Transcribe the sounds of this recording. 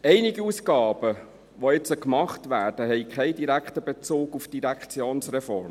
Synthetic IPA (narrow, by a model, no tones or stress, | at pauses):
ɛɪniɡiuskɑːb̥ə | ʋoɪt͡səkmɑχtʋæːɾd̥əɦɛɪkχɛɪdiɾækχtəbet͡soːɡufd̥iɾækχt͡sjoːnsrɛfɔ̰rm